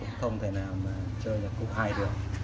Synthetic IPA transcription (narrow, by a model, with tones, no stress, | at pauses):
ʊ̰˧˥ŋ͡mxə˧wŋ͡mt̪ʰe˧˩naː˨˩wmaː˨˩t͡ɕəː˧jla˨˩t̚kṵ˧˥haː˧jɗɨ˨˩ək̚